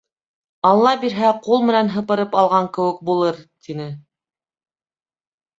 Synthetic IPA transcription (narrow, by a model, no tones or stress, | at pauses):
ɑlˠːɑbiɾɦæqulˠmɘ̆nænɦɤ̆pɤ̆ɾɤpɑlˠʁɑŋkɘ̆wɘ̆k̚bulˠɤɾt̪ʰinɘ